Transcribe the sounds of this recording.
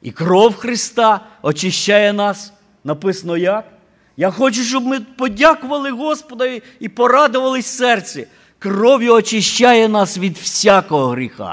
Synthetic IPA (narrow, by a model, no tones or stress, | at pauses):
ḭkɾɔwxɾɪst̪ɑ | ɔt͡ʃɪʃt͡ʃajɛnɑs | nɐpɪsɐnɔjak | jaxɔt͡ʃʊʃt͡ʃɔbmɪpɔdʲakʊʋɐlˠɪɦɔspɔd̪ɐ | ipɔɾɑd̪ʊʋɐlˠɪsʲsɛrt͡sʲɛ | krɔʋjʊɔt͡ʃɪʃt͡ʃajɛnɑsʋʲid̪wsʲakɔɦɔɦɾʲixɑ̰